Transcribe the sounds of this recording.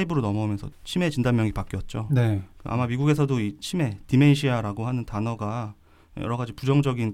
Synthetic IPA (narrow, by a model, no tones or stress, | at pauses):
ibɯɾonʌmʌumjʌnsʰʌt͡ɕʰime̞t͡ɕindanmjʌŋipak͈iʌt̚t͡ɕ͈onekɯʔa̰mamiɡuɡe̞sʰʌdoit͡ɕʰime̞timeiɕʰiaɾaɡohanɯntanʌɡa | jʌ̰ɾʌɡad͡ʑipud͡ʑʌŋd͡ʑʌɡin